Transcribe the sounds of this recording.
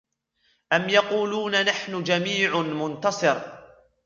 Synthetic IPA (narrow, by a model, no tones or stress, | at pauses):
ʔamjɑquːluːnanaħnʊd͡ʒamiːʕʊmʊnt̪ɑsˤɨɾ